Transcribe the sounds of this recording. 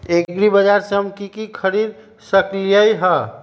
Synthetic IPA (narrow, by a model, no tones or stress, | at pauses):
eɡɾibəd͡ʒaɾseɦəmkikikʰəɾiɾ | səkɾijəjɦə